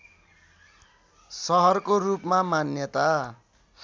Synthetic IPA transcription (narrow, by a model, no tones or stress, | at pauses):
sʌɦʌrkorupmamanjʌt̪a